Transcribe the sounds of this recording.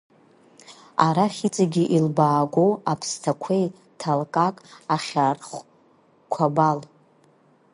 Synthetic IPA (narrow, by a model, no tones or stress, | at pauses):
aɾaχʲit͡sʼaɡʲiʔilbaːɡʷowapʰstʰakʷʰej | tʰalkʼakʼaχʲarχʷ | kʷʰabal